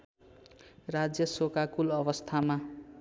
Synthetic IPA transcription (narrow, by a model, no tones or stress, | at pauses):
rad͡zjʌsokakulʌbʌst̪ʰama